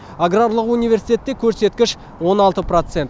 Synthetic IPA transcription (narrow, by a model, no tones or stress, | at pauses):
aɡraɾlˠəqunijvʲe̞ɾsit̪ʰʲe̞t̪ːe̞kʲʰɵɾse̞t̪kʲɪʃ | wo̞nɑlˠt̪əpro̞t̪se̞nt̪